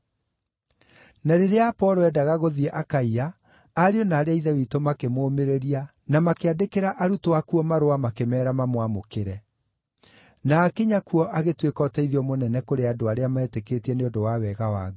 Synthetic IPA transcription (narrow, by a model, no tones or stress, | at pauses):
naɾeɾeapɔːɾoɛdaɣaɣoðiɛʔakaiaː | ɾeɔnaːɾeaiðɛwitomakemoːmeɾeɾia | namakeadekeɾaʔaɾutoakuɔmaɾowamakemɛːɾamamwamokeɾɛ | naːkeɲakuɔʔaɣetwekɔːtɛiðiɔmonɛnɛkoɾeadoaɾeamaɛteketiɛneondowawɛɣawa̰ɡ